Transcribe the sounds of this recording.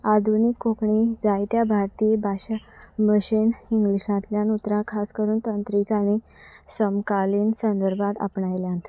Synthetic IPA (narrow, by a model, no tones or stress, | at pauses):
ad̪ʱunikːokɳid͡zajt̪jabʱaɾt̪iːbʱaɕəməɕiniŋɡliɕãt̪ljanut̪ɾãkʰaskəɾuːnt̪ənt̪ɾikañi | səmkaliːnsənd̪əɾbʱãt̪a̰pɳajljãnt̪